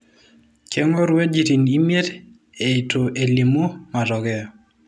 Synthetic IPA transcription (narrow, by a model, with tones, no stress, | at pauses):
ke˦ŋo˦ɾwe˦d͡ʒi˨ti˨ni˦mje˦t | e˨i˨to˨ʔe˨li˨mu˦ma˨tɔ˨ɡɛ˨ɔ˨